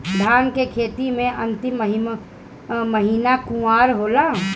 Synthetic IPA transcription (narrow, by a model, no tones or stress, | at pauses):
d̪ʱaːnkekʰeːt̪imẽʔɐ̃nt̪ɪməɦim | məɦiːnakũaːɾɦoːla